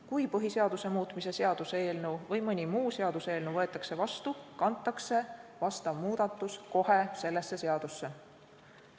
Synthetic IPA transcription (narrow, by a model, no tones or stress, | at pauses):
kujpɤɦiseɑd̪̥use̞muːt̪ˑmise̞se̞ɑd̪̥useeːlnuvɤjmɤnʲimuːseɑd̪use̞ːlnuvɤe̞t̪ːˑɑkse̞vɑst̪ukɑnt̪ːˑɑkse̞vɑst̪ɑvmuːd̪̥ɑt̪ˑːusko̞he̞se̞lːe̞sːe̞se̞ɑd̪̥usːe̞